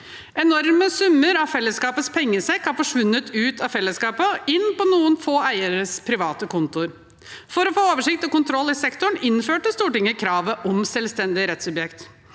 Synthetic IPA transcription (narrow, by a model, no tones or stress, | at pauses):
ʔɛnɔɾməsʉmːəɾɑfɛlːəskɑːpət̪spʰɛŋːəsɛkːɑfɔʂʋʉnːət̪ʰʉːt̪ʰɑfɛlːəskɑːpəɪnːpɔnuːənfoːæɪəɾəspʰɾɪʋɑːt̪əkʰʊnt̪ʊɾ | fɔɾɔfoːoːʋəʂɪk̚t̪ɔkʊnt̪ʰɾɔlːɪsɛkt̪ʊɳɪnːføːʈəst̪uːʈɪŋəkʰɾɑːʋəʔɔmsɛlst̪ɛnd̪ɪɾɛt̪sʉbjɛkt̪